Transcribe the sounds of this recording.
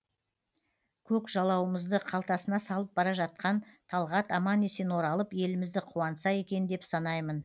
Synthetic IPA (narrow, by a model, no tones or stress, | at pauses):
kʲʰɵkʒɑlˠɑwəməzd̪əqʰɑlˠt̪ɑsənɑsɑlˠəp̚bɑɾɑʒɑt̪̚qɑnt̪ʰɑlˠʁɑt̪ɑmɑnːe̞se̞nwo̞ɾɑlˠəpje̞lɪmɪzd̪ɪqʰuwɑnəsɑje̞kʲe̞nd̪e̞psɑnɑjmən